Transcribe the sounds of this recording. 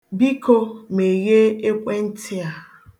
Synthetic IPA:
bi˦ko˦me˨ɣe˦e˦kʷe˦n̩˦tʰɪ˦a˨

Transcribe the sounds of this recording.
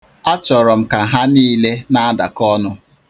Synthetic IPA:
a˦t͡ʃɔ˨ɾɔ˨m̩˨ka˨ɦa˦niː˦le˦na˦a˦da̰˨kɔ˦nʊ˦

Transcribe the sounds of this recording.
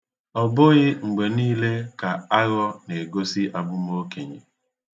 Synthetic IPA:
ɔ˨bʊ˦ɣɪ˦ŋ͡m̩˨ɡ͡be˨niː˦le˦ka˨a˦ɣɔ˦ne˨ɡo˦si˦ʔa˨bʊ˦m˦o˦ke˨ɲḛ˨

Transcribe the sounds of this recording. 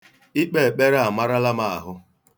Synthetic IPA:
i˦k͡pe˦˨k͡pe˦ɾa˨ma˦ɾa˦la˦ma˨a̰˨ɦʊ˦

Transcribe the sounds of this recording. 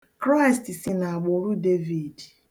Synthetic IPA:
kɾa˦ɪ˨stsi˨na˨a˨ɡ͡bo˨˦ɾu˦de˦vi˨d

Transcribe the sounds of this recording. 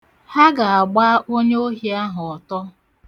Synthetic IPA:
ha˦ɡa˨a˨ɡ͡ba˦ʔo˦ɲe˦o˦ɦi˦a˦ɦʊ˨ɔ˨tɔ˦

